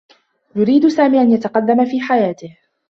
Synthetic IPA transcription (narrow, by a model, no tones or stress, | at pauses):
jʊɾiːd̪ʊsaːmiːʔanjat̪aqɑd̪ːamafiːħajaːt̪ɪh